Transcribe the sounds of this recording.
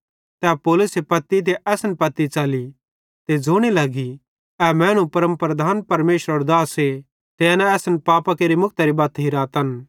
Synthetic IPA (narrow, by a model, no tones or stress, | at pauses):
t̪ɛːpoːlʊsepɐt̪ːit̪̬eʔɛːsənpɐt̪ːit͡ʃaːli | t̪ed͡zʱoɽ̃ilɐɡi | ɛmɛ̃ːñũpɐɾə̃mpɾɐd̪ʱaːnpɐɾmeːʃɾəɾd̪aːse | t̪eanɛ̃ɛːsənpaːpakeːɾimʊk̚ʰt̪ɐɾibaːt̪ɦiɾaːt̪ɐn